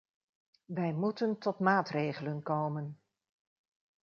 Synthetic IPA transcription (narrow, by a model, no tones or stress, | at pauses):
ʋɛjmutəntɔtmaːtrejχələnkowmən